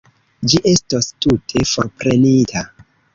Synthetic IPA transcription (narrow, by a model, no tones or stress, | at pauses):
d͡ʒiʔe̞stostutʰe̞fo̞ɾpɾenitʰa